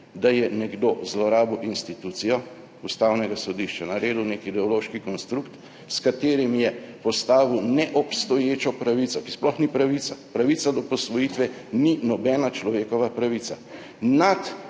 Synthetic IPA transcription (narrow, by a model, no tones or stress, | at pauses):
d̪ajɛnɛɡd̪ozlɔɾaːbɔwinst̪it̪ut̪sijɔ | ust̪awnɛɡasɔd̪iʃt͡ʃanaɾeːd̪uwnekid̪ɛɔloːʃkikɔnst̪ɾukt̪ | skat̪eːɾimjɛpɔst̪aːʋiwnɛʔɔpst̪ɔjeːt͡ʃɔpɾaʋit̪sɔki̥splɔxnipɾaʋit̪sapɾaʋit̪sad̪ɔpɔsʋɔjit̪ʋɛninɔbɛːnat͡ʃlɔʋeːkɔʋapɾaʋit̪sa | nat̪